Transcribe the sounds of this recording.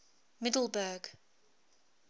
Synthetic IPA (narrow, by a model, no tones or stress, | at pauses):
mɪdl̩ˠbəːɡ̥